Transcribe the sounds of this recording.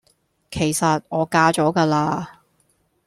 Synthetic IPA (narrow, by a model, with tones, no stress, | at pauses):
kʰe˨˩jsɐ˨t̚ɔː˨˧kaː˧t͡ʃɔː˨˥kaː˧laː˧